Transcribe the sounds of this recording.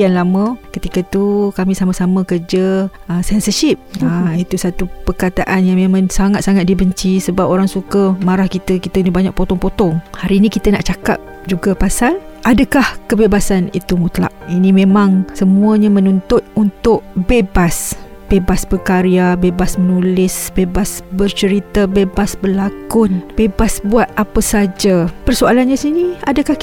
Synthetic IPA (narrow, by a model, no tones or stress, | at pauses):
anlamə̃kət̪ikat̪ukamĩsamasamə̃kərd͡ʒəəsɛnsəʃip̚əit̪usat̪upərkat̪aʔanjaŋmemãŋsaŋat̪̚saŋat̪̚dibəɲt͡ʃisəbapoɾaŋsukamaɾahkit̪əkit̪anibaɲak̚pot̪ɔŋpot̪ɔŋhaɾiːnĩkit̪əna̰ʔt͡ʃaka̰p̚ | d͡ʒuɡapasanʔadakahkəbebasanit̪umut̪la̰ʔ̚inĩmẽmãŋsəmuəɲamənunt̪ʊt̪̚unt̪ʊʔbebas | b̥ebasbəkaɾiabebasmənulɪsbebasbərt͡ʃəɾit̪abebasbərlakʊnb̥ebasbuat̪̚apəsad͡ʒapərsoalanɲasinia̰dəkah